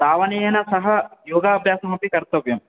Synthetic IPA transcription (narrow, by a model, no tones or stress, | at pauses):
d̪aːʋɐnejɐnɐsɐɦɐjoːɡaːbʱjaːsɐmɐpikɐɾt̪ɐʋjɐm